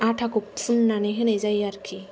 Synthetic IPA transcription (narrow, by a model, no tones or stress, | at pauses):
aʈʰakukpʰunːaneɦɯnezajaɾkʰi